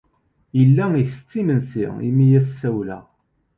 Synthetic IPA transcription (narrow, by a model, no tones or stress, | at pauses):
jəlːæiθə̥t͡sːimənsḭḭmijæssæwlæ̰